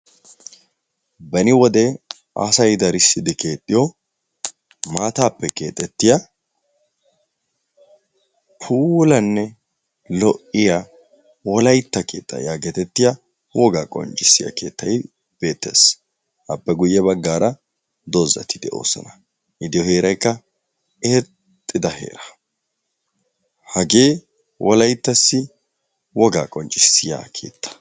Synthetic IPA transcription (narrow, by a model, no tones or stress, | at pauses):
bɐnɪwɔd̪e | a̰sɐjd̪ɐɾɪsːɪd̪ɪke̞ːt̪ʼːɪjɔ | maːt̪aːpːɛke̞ːt̪ʼːɛt̪ːɪja | pʰuːlɐnːɛ | lɔʔɪja | wɔlɐjt̪ːɐkeːt̪ʼːɐ̰jaːɡɛt̪ɛt̪ːɪja | wɔɡaːkʼɔ̰nt͡ʃʼɪsːɪja̰kʰe̞ːt̪ːɐj | b̥e̞ːt̪ːḛs | ʔɐpːɛɡʊjːɛbɐɡːaːɾɐ | d̪ozɐ̰t̪ʰɪd̪ɛʔo̰ːsɔ̰nɐ̥ | ʔɪd̪ɪjɔhe̞ːɾɐjkːɐ | eː | t̪ʼːɪd̪ɐhe̞̰ːɾɐ̥ | hɐɡe̞ː | wʔɔlɐjt̪ːɐsːɪ | wɔɡaːkʼɔnt͡ʃʼɪsːɪja̰ːkʰe̞̰ːt̪ʰːɐ̥